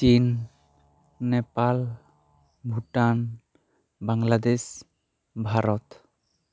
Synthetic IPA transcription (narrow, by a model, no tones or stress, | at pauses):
t͡ʃin | ɛpal | bʱuʈan | baŋlad̪es | bʱaɾɔt̪